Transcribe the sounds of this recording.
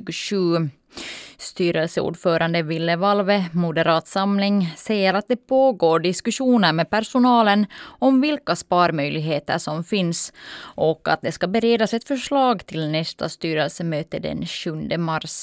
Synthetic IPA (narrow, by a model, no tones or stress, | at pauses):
ɡʂʉː | st̪yːɾɛlsəṵːɖfœːɾʔand̪əvɪlːəvalvəmʊd̪əɾɑːt̪samlɪŋsɛjːəɾat̪̚d̪ɛpʰoːɡoːɖɪskʉʂuːnəɾmɛpʰæɾʂʊnɑːlənɔmvɪlkaspɑːɾmœjlɪɡɦeːt̪ə̰ʂɔmfɪnsʔɔka̰t̪̚d̪ɛskabəɾeːd̪asɛt̪fœʂɭɑːɡt̪ʰɪlnɛst̪ʰa̰st̪yːɾɛlsəmøːt̪əd̪ɛ̰nɕɵnd̪əmaɾs